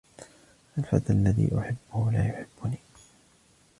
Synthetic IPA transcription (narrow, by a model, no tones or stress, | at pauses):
ʔalfa̰t̪alːaðḭːʔʊħɪbːʊhʊlaːjʊħɪb̥ːʊniː